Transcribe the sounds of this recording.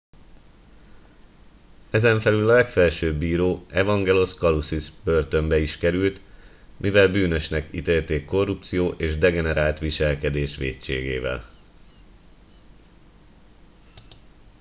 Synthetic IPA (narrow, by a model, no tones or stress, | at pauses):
ɛzɛɱfɛlylɒlɛkfɛlʃøːbːiːɾoːɛvɒŋɡɛlo̞skɒlusiʃbø̞rt̪ø̞mbɛiʃkɛɾylt̪ | mʔivɛlbyːnøʃnɛkḭt̪eːlt̪eːkːo̞rːupt̪sijoːʔeːʒd̪ɛɡɛnɛɾaːlt̪ʋiʃɛlkɛd̪eːʃʋḛːt͡ʃḛːɡḛːvɛ̰l